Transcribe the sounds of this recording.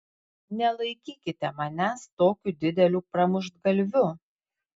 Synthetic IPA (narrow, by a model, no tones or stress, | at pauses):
nʲɛlˠɐɪkʲiːkʲɪt̪ʲɛmɐnʲæst̪oːkʲuːd̪ʲɪd̪ʲɛlʲuːpɾɐmʊʒd̪ɡɐlʲʋʲʊ